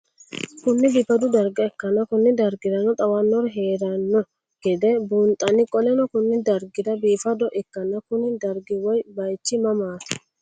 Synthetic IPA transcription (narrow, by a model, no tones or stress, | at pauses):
kʊnːɪbɪpɐd̪ʊd̪ɐɾɡɐɛkːɐnɐkʊnːɪd̪ɐɾɡɪd̪ɐnɔt̪ʼɐwɐnːɔɾɦeːɾɐnːɔ | ɡ̥ɛd̪ɛbuːnt̪ʼɐnɪkʼɔlɛnɔkʊnːɪd̪ɐɾɡɪd̪ɐbiːfɐd̪ɔʔɛkːɐnːɐkʊnɪd̪ɐɾɡɪwɔjbɐjt͡ʃːɪmɐmaːt̪ʊ̥